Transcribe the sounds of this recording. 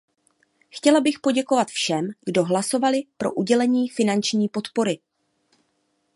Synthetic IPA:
xcɛlabɪxpo̞ɟɛko̞vat̪fʃɛmɡ̥do̞ɦlaso̞valɪpɾo̞̰ʔuɟɛlɛɲiːfɪnant͡ʃɲiːpo̞t̪po̞ɾɪ

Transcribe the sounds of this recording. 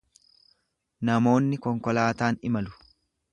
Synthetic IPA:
nɐmo̞ːnːɪkɔŋkɔlaːt̪aːnɪmɐlʊ̥

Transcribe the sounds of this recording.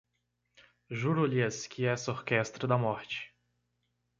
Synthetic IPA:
ʒuɾʊliɛskɪɛsoɾkɛst̪ɾɐd̪ɐmɔɾt͡ʃɪ̥

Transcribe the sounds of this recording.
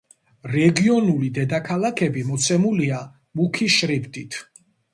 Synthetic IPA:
ɾɛɡiɔnulid̪ɛd̪akʰalakʰɛbimɔt̪sʰɛmulia | mukʰiʃɾibd̪it̪ʰ

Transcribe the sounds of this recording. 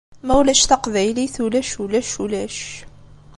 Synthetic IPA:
mæwlæʃθɑqvæjliθulæʃulæʃulæʃ

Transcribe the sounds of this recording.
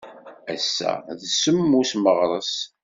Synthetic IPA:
æsːæ̰ðsəmːusməʁɾˤəs

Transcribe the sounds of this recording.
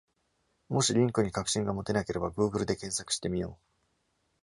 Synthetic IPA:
mo̞ɕiɾʲĩŋkɯ̟ɲ̟ikakɯ̟̥ɕĩŋɡamo̞t̪e̞nake̞ɾe̞baɡɯ̟ːɡɯ̟ɾɯ̟d̪e̞kẽ̞ɰ̃sakɯ̟ɕi̥t̪e̞mʲijo̞ː

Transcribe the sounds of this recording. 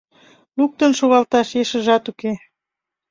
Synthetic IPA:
luk̚t̪ənʃoɣɑlt̪ɑʃeʃə̆ʒɑt̪uke

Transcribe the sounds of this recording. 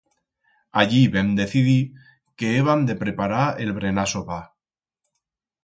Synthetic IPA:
aʎiβemd̪e̞θiði | ke̞eβand̪e̞pɾe̞paɾaelβɾe̞nasoβa

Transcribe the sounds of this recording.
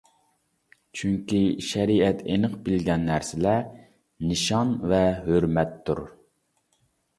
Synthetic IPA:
t͡ʃʰyŋkʲiʃɛɾiɛt̪ʰenəqbɪlɡʲɛnːæɾsɪlɛ | nɨʃɑnvɛɦøɾmɛt̪ʰːuɾ

